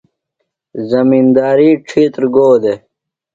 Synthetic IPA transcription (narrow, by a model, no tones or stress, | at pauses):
zɐmiːnd̪aːɾiʈ͡ʂʰiːt̪ɾɡoːd̪e